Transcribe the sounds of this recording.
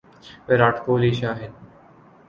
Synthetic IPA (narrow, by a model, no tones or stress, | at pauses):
ʋeɾaːʈʰkoːliːʃaːɦɪd̪